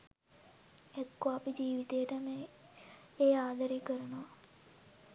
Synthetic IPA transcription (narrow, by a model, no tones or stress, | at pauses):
ɛt̪koapid͡ʒiːʋit̪ejəʈəme | eːaːd̪aɾekəɾənoʋɐ